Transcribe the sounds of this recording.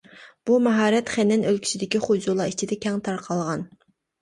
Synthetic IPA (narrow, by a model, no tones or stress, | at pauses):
b̥umɛɦɑːɾɛt̪χɛnːɛnølkʲi̥t͡ʃʰid̪ɪkʲiχud͡ʒulˠɑit͡ʃʰid̪ɛkʲʰɛŋt̪ʰɑɾqʰɑlˠʁɑn